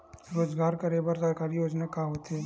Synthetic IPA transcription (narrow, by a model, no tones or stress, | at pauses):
ɾoːd͡ʒɡaːɾkɐɾeːbəɾsəɾkaːɾijoːd͡ʒnakaɦoːt̪ɦeː